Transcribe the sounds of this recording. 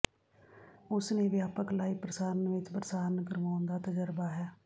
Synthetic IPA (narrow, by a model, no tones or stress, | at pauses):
ʊsneːʋjaːpəklaːiːpɾəsaːɾənʋɪt͡ʃpɾəsaːɾənkəɾʋaːʊ̃nd̪aːt̪əd͡ʒəɾbaːɦɛː